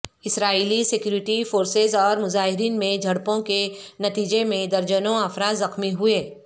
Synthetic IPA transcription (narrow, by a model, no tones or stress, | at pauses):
ɪsɾaːiːlisɪkjuːɾɪʈifoːɾsezɔːɾmʊzaːɦɪɾiːnmẽd͡ʒʱɐɽpõkenɐt̪iːd͡ʒemẽd̪ɐɾd͡ʒənõɐfɾaːd̪zɐxmiɦʊeː